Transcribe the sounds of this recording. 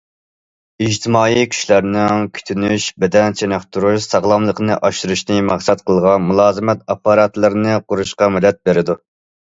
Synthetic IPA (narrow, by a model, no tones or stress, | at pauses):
id͡ʒt̪ʰɪmɑːikʲʰy̥ʃlæɾnɪŋkʲʰy̥t̪ʰynyʃbɪd̪ɛnt͡ʃʰenɑχt̪ʰuɾuʃsɑʁlˠɑmlˠəqʰənɨʔɑʃɨɾuʃnɨmɑχsɛt̪̚qʰəlˠʁɑnmulˠɑːzɨmɛt̪ɑpːɑɾɑt̪lˠɨɾnɨqʰʊɾuʃqɑmɪlɛt̪̚beɾɪd̪u